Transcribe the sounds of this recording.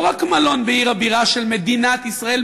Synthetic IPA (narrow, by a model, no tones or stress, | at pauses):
ʁakmalo̞nbeiʁhabiʁaʃe̞lmed̪inat̪isʁae̞l